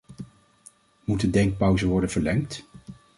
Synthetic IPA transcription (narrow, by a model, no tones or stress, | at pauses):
mutdədɛŋk̚pœwzəʋɔɹdənvəɹlɛŋkt